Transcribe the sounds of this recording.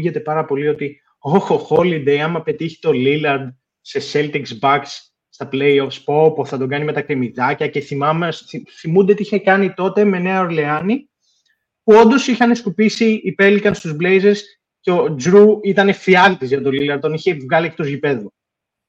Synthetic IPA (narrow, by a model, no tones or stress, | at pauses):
ʝe̞t̪e̞pɐɾɐpo̞lio̞t̪i | oxoxolid̪ejɐmɐpe̞t̪içi̥t̪o̞lilɐɾd̪ | se̞se̞lt̪iksbɐksː | t̪ɐplejo̞fspopoθɐt̪o̞ɡɐnime̞t̪ɐkɾemiðɐcɐce̞θimɐmsθiθimund̪et̪iiçekɐnit̪o̞t̪e̞me̞ne̞ɐo̞ɾle̞ɐni | puo̞nd̪o̞sixɐne̞skupisiːpe̞likɐnst̪uzblejze̞ɾs | ceod͡zɾuit̪ɐne̞fiɐlt̪izʝɐt̪o̞lilɐɾd̪o̞niçe̞vɣɐliekt̪ozʝipe̞ðo